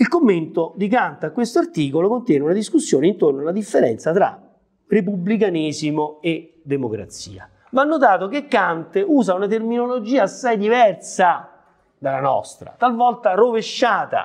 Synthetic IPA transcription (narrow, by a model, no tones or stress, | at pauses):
ilkomːent̪od̪ikant̪akːwest̪oart̪iːkolokont̪jɛːneunad̪iskusːjoːneint̪ornoalad̪ifːeɾɛ̰nt̪sat̪ɾa̰ | rep̬ublik̬aniːzimoe | d̪ːemokɾa̰t̪sḭːa̰ | vanːot̪̬aːt̪ok̟ekːant̪euːzaunat̪̬erminolod͡ʒiːaːsːajd̪ivɛrsa | d̪alanɔ̰st̪ɾa̰t̪alvɔlt̪aroveʃːaːt̪a̰